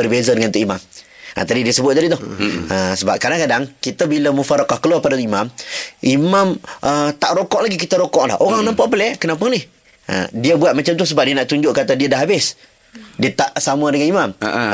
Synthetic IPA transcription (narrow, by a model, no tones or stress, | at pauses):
bərbezadəŋant̪uʔimamʔa̰t̪adidiəsəbʊt̪̚adit̪ʊhəsəba̰p̚kadaŋkadaŋkit̪əbiləmufaɾakahkəluapadaimamʔimamət̪aʔɾokɔʔlaɡikit̪əɾokɔʔla̰hoɾaŋnampaʔpəlɛkənap̬anɪh | ʔə̰diəbuat̪̚mat͡ʃamt̪ʊs̬əbap̚diənaʔt̪uɲd͡ʒʊʔkat̪adiədaɦabɪs | diət̪aʔsamuadəŋanimam